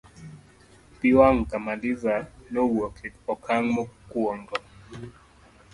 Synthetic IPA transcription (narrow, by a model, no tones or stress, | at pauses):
piwaŋkamadizanɔwokʰiɔkʰaŋmɔkwɔŋdɔ